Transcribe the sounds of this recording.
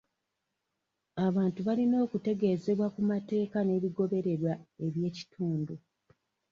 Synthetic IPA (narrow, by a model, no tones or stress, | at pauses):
aβaːntuβalino̞ːkute̞ɡe̞ze̞βwakumate̞ːkane̞βiɡo̞βe̞ɾe̞ɾwae̞βje̞ːci̥tʰuːndu